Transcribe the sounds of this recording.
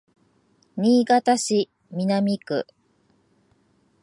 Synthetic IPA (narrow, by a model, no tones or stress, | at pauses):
ɲʲiːɡat̪aɕi | mʲinamʲikɯ̟̰